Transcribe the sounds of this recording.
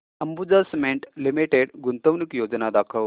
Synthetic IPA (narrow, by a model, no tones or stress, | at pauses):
əmbud͡zasmeɳʈlimiʈeɽɡunt̪əʋnikjod͡znad̪akʰəʋ